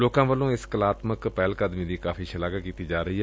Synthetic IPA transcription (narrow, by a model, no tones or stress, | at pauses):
loːkãːʋəlːõːɪskəlaːt̪məkpɛːlkəd̪mĩːd̪iːkaːfʰiːʃəlaːɡakiːt̪iːd͡ʒaːɾəiːɦɛː